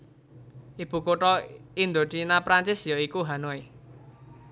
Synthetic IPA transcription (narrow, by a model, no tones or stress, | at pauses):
ʔib̥ṳkoʈɔind̪oʈinapɾant͡ʃɪsjɔikuɦanoe